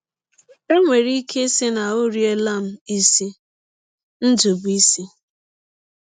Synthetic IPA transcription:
e˦ŋʷe˨ɾi˦kʰe˦si˦na˨o˦ɾje˦la˦˨m̩˦i˦si˦ | n̩˦d͡ʒu˨bi˦si˦

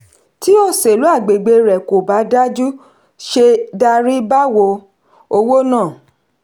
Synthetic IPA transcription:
ti˨˦ɔ˧se˨lu˨˦a˦˨ɡ͡be˨ɡ͡be˧ɾɛ˨ko˨ba˨˦da˦d͡ʒu˦ | ʃe˧da˧ɾi˦ba˦wo˧ | o˧wo˦nãː˦˨

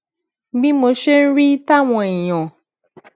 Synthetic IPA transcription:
bĩ˦mo˧ʃe˦n̩˦ɾi˦ta˦˨w̃ɔ̃˧i˨j̃ɔ̃˨

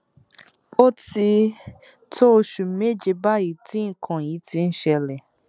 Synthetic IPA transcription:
o˦ti˧ | tʰo˦o˧ʃu˨me˦˨d͡ʒe˧ba˦ji˦˨tĩ˨˦ŋ̩˨kʰã˨ji˨˦ti˧˦n̩˦ʃɛ˧lɛ˨

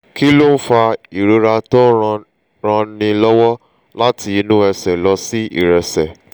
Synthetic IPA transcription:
ki˦lo˦n̩˦fa˧i˨ɾo˧ɾa˧tɔ˦˧ | ɾ̃ã˧nĩ˧lɔ˦wɔ˦ | la˦ti˧˦˧nũ˦ɛ˧sɛ˨lɔ˧si˦ḭ˦˨ɾɛ˨˧sɛ˨

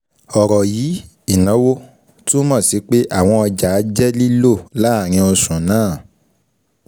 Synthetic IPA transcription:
ɔ˨ɾɔ˨jiː˨˦ | i˦˨nã˨˦wo˦ | to˦mɔ̃˦˨si˨˦k͡pe˦ʔa˦˨w̃ɔ̃˧ɔ˧d͡ʒa˨˦d͡ʒɛ˦li˦lo˦˨la˦˨ɾ̃ĩ˧˦o˧sũ˨nãː˦˨

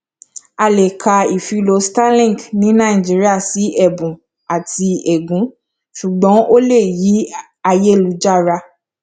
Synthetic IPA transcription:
a˧le˨kʰa˧i˨fi˧lo˧stã˦lĩ˦˨ɡnĩ˨˦nã˦˨ĩ˨d͡ʒi˨˦ɾi˦a˦˨si˨˦ɛ˦˨bũ˨ | a˨ti˧ɛ˨ɡũ˨˦ | ʃu˨ɡ͡bɔ̃˨˦o˦le˦˨ji˨˦ | a˧je˦˨lu˨˦d͡ʒa˦˨ɾa˧

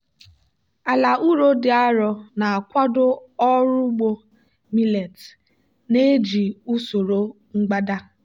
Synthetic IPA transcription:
a˨la˨ʔu˦ɾo˦dɪ˨a˦ɾɔ˨na˨kʷa˦dʊ˦ɔ˦ɾʊ˦ɡ͡bo˦ | mi˦le˨t | ne˦d͡ʒi˨u˦so˨ɾo˦ | ŋ͡m̩˦ɡ͡ba˦da˦

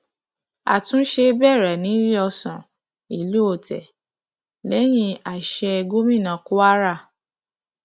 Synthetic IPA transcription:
a̰˨tũ˦ʃe˧˦bɛ˦˨ɾɛ˨nĩ˨˦ɾi˦ɔ˧sã˨ | i˨lu˦o˦˨tʰɛ̰˨ | lɛ˦j̃ĩ˧˦a˨ʃɛ˧ɛ˧ɡo˦mĩ˦˨nã˨ko˦a˦ɾa˦˨

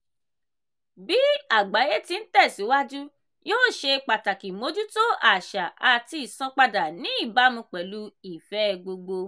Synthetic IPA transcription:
bi˨˦a˦˨ɡ͡ba˨˦je˦ti˧n̩˦tɛ˦˨si˨˦wa˦d͡ʒu˦ | joː˦˨ʃe˧k͡pa˨ta˨ki˨mo˨˦d͡ʒu˦to˦a˨ʃa˨ʔa˧ti˧i˨sɔ̃˨˧k͡pa˧da˨nĩ˨˦i˦˨ba˨˦mũ˧k͡pɛ˨lu˨˦i˦˨fɛ˨˦˧ɡ͡bo˧ɡ͡bo˧

